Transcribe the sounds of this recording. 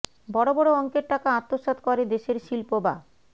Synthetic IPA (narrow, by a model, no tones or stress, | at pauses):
bɔɽobɔɽoɔŋkeɾʈakaat̪ːoʃad̪kɔɾed̪eʃeɾʃilpoba̰